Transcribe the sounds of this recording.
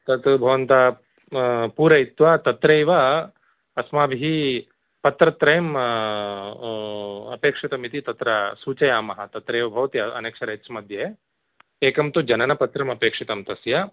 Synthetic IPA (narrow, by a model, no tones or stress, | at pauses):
t̪ɐt̪bʱɐʋɐnt̪a | puːɾɐit̪ʋat̪ɐt̪ɾeːʋɐ | ɐsmaːbʱiɦi | pɐt̪ɾɐt̪ɾɐjɐm | ɐ̰peːkʂit̪ɐmit̪it̪ɐt̪ɾɐsuːt͡ʃɐjaːmɐɦɐ̆t̪ɐt̪ɾeːʋɐbʱɐʋɐt̪iɐɐ̰neːkʂɐɾɐetsmɐd̪ʱjɐ | eːkɐmt̪ud͡ʒɐnɐnɐpɐt̪ɾɐmɐpeːkʂit̪ɐmt̪ɐsjɐ